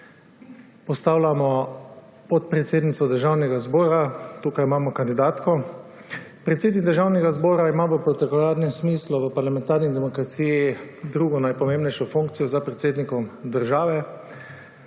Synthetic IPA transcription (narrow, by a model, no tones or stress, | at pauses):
pɔst̪aːwlamɔ | pɔt̪̚pɾɛt̪seːd̪nit̪sɔd̪əɾʒaːwnɛɡazbɔːɾat̪uːkajimaːmɔkand̪id̪aːt̪kɔ | pɾɛt̪seːd̪niɡd̪əɾʒaːwnɛɡazbɔːɾaimaːʋəpɾɔt̪ɛkɔlaɾnɛsmiːslɔʋəpaɾlamɛ̃nt̪aːɾnid̪ɛmɔkɾat̪siːjid̪ɾuːɡɔnajpɔmẽːmbnɛjʃɔfuŋkt̪sijɔzapɾɛt̪seːd̪nikɔmd̪əɾʒaːʋɛ